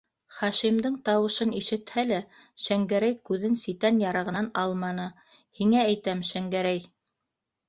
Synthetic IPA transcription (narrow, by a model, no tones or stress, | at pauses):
χɑʃimd̪ɤɴt̪ɑwɤ̆ʃɤniʃɘ̆t̪hælæ | ʃæŋɡæɾæjkʉðɘnsit̪ænjɑɾɤ̆ʁɤ̆nnɑlˠmɑnɤ | hiŋææjt̪æmʃæŋɡæɾæj